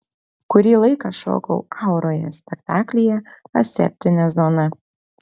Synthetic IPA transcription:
kʊɾʲiːlˠɐɪkɑʃo̰ːkɔ̰ʊɑʊɾoːjɛ̰sʲpʲɛkt̪ɑːklʲɪjɛɐ̰sʲɛ̰pʲt̪ʲɪnʲɛzoːnɐ

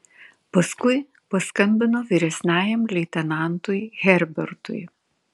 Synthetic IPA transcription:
pɐskʊɪ | pɐskɐmʲbʲɪnoːʋʲiːɾʲɛsʲnʲæːjɛmlʲɛɪt̪ʲɛnɑˑnt̪ʊjɣʲɛɾʲbʲɛɾt̪ʊ̰j

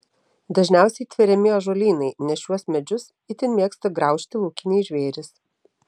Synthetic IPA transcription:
d̪ɐʒʲnʲæˑʊsʲɛɪt̪ʲʋʲɪɾʲɛmʲɪjoːʒoːlʲiːnɐɪnʲɛʃʲuɔsmʲɛd͡ʒʲʊs | ɪt̪ʲɪnmʲiɛkst̪ɐɡɾɐˑʊʃʲt̪ʲɪlˠuːkʲɪnʲeːʒʲʋʲeːɾʲɪs

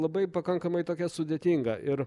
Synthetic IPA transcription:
lˠɐbɐɪpɐkɐŋkɐmɐɪt̪oːkʲɛsʊd̪ʲɛt̪ʲiŋɡɐʔɪɾ

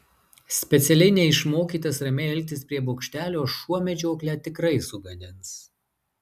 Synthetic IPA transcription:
sʲpʲɛt̪sʲɛlʲɛɪnʲɛɪʃmoːkʲiːt̪ɐsɾɐmʲɛɛlʲk̚ʲt̪ʲɪspʲɾʲiɛboːkʃʲt̪ʲæːlʲoːʃuɔmʲɛd͡ʒʲoːklʲæːt̪ʲɪkɾɐɪsʊɡɐd̪ʲɪns

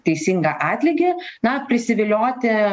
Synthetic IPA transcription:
t̪ʲɛɪsʲiŋɡɐʔɑːt̪ʲlʲɪɡʲɪnɐpʲɾʲɪsʲɪʋʲɪlʲoːt̪ʲɪ

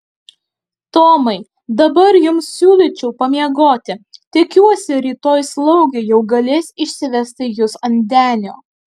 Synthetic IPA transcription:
t̪oːmɐɪ | d̪ɐbɐɾjʊmssʲuːlʲit͡ʃʲɛʊpɐmʲiɛɡoːt̪ʲɪt̪ʲɪkʲuɔsʲɪɾʲiːt̪oːjslˠɐʊɡʲeːjɛʊɡɐlʲeːsʲɪʃʲsʲɪʋʲɛsʲt̪ʲɪjʊsɐnʲd̪ʲæːnʲoː

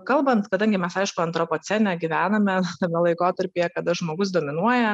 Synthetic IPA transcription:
kɐlˠbɐnt̪kɐd̪ɐŋʲɡʲɪmʲɛsɐɪʃkʊɐnt̪ɾopoːt͡s̪ʲɛnʲɛɡʲiʋʲæːnɐmʲɛt̪ɐmʲɛlˠɐɪkoːt̪ɐɾʲpʲeːjɛkɐd̪ɐʒmoːɡʊs̬d̪oːmʲɪnuɔjɛ

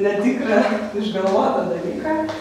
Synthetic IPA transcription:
nʲɛt̪ʲɪkɾɐɪʒɡɐlʋoːt̪ɐd̪ɐlʲiːkɐ

